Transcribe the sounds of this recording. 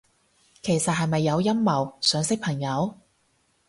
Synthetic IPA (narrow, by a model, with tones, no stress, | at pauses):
kʰe˨˩jsɐ˨t̚hɐ˨jmɐ˨jːɐ˨˧wjɐ˥mːɐ˨˩wsœː˨˧ŋsɪ˥k̚pʰɐ˨˩ŋjɐ˨˧w